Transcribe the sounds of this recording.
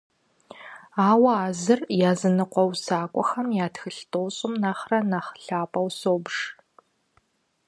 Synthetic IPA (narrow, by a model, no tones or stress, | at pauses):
aːwɐaːzɨrjaːzɨnɨqʷɔwsaːkʷʼɔxɐmjaːtxɨɬtʼoːɕʼɪmnaχrɐnɐχɬaːpʼɐwsoːbʂ